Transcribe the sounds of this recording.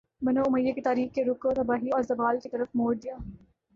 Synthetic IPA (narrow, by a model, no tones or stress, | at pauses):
bɐnoʊməjːekit̪aːɾiːxkeɾʊkot̪ɐbaːɦiɔːɾzɐbaːlkit̪ɐɾəfmoːɾd̪ɪjaː